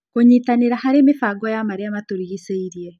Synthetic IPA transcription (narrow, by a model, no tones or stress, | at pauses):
koɲiːtaneɾahaɾemefaɡɔjamaɾeamatoɾiɣiseiɾiɛ